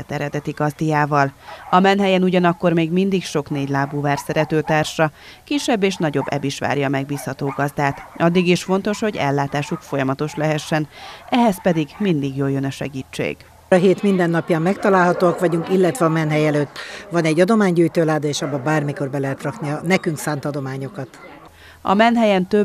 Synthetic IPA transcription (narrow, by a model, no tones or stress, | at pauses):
ɛt̪ɛɾɛd̪ɛt̪iɡɒzd̪ijaːvɒlɒmɛnɦɛjɛnuɟɒnɒkːo̞rmeːɡmind̪ikʃo̞kneːɟlaːbuːvaːrsɛɾɛt̪øːt̪aːrʃɒ | kiʃɛbːeːʃnɒɟo̞bːɛ̰biʃʋa̰ːɾjɒmɛɡ̚biːshɒt̪oːɡɒzd̪aːt̪ɒd̪ːiɡiʃfo̞nt̪o̞ʃho̞ɟɛ̰lːaːt̪aːʃukfo̞jɒmɒt̪o̞ʃlɛɦɛʃːɛnɛɦɛspɛd̪iɡmind̪iɡjoːljønɒʃɛ̰ɡiːt͡ʃːḛːɡ̥ | ɒɦeːt̪mind̪ɛnːɒpjaːmmɛkt̪ɒlaːlɦɒt̪oːɒkʋɒɟuŋkilːɛt̪ʋɛɒmɛnɦɛjɛløːt̪ːvɒnɛɟːɒd̪o̞maːɲɟuːjt̪øːlaːd̪ɒeːʃɒbːɒbaːrmiko̞rbɛlɛɦɛt̪rɒkniɒnɛkyŋksaːnt̪ɒd̪o̞maːɲo̞kɒt̪ | ɒ̰mɛnɦɛjɛnt̪ø